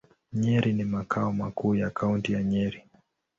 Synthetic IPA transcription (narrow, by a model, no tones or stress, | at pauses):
ɲɛɾʔinimakʰaɔmakʰuːjakʰauntijaɲɛɾi